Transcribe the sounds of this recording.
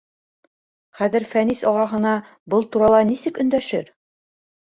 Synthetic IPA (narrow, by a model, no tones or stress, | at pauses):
χæðɘ̆ɾfænisɒʁɑɦɤ̆nɑ | bɤlˠt̪uɾɑlˠɑnisɘkɵ̆nd̪æʃɘɾ